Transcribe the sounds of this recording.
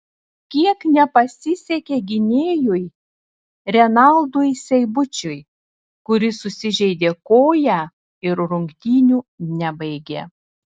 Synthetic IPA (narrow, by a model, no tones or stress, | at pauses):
kʲiɛknʲɛpɐsʲɪsʲɛkʲeːɡʲɪnʲeːjʊj | ɾʲɛnɑlˠd̪ujsʲɛɪbʊt͡ʃʲʊj | kʊɾʲɪsʊsʲɪʒʲɛɪd̪ʲeːkoːjæ | ɪɾɾʊŋʲkt̪ʲiːnʲuːnʲɛbɐɪɡʲḛː